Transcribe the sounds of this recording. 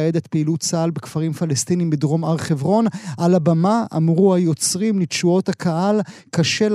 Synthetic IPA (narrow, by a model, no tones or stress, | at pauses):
ed̪et̪peilutt͡salbekfaʁimfalest̪inimbedʁo̞maʁχevʁo̞nʔalabamaʔa̰mʁuajo̞t͡sʁimlitʃuo̞thakʰaalkaʃe̞l